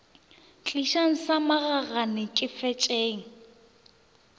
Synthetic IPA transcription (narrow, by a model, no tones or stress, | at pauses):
t͡ɬʼiʃan̩samaɣaɣanɪkʼɪfɛt͡ʃʼeːŋ̩